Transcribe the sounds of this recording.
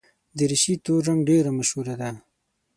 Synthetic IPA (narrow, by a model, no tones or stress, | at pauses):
d̪əɾɪʃit̪oɾːaŋɡɖeɾamaʃhuɾad̪a